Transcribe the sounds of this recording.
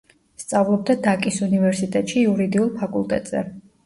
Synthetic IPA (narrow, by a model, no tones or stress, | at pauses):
st̪sʼavlˠɔb̚d̪ad̪akʼisunivɛɾsit̪ʼɛt̪ʼʃiuɾid̪iulˠpʰakʼulˠt̪ʼɛ̰t̪ʼz̥ɛ̰